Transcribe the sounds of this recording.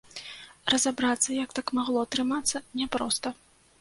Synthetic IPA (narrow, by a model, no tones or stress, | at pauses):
rɐzabɾat̪sːɐjɐk̚t̪akmaɣlˠɔt̪ɾɨmat̪sːɐnʲɛpɾɔst̪ɐ